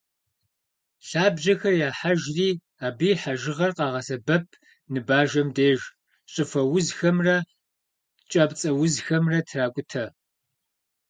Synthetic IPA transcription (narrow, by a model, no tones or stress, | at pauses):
ɬaːbʒɐxɐrjaːħaʒriː | aːbiːħaʒɪʁɐrqɑːʁɐsɐbɐpʰ | nɨbaːʒɐmdeːʒ | ɕʼɨfɐwʊzxɐmrɐ | t͡ʃʼɐpt͡sʼɐwʊzxɐmrɐtʰraːkʷʼʊtʰɐ